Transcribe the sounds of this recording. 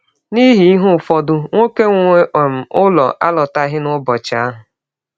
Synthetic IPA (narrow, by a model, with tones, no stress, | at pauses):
ni˦ɦi˨i˦ɦʊ˦˨fɔ˦dʊ˦ŋʷo˦ke˦ŋʷ˦e˦ʔm̩˨ʊ˦lɔ̰˨ʔa˦lɔ˨ta˦ɦɪ˦nʊ˦bɔ˨t͡ʃɪ˨a˦ɦʊ˨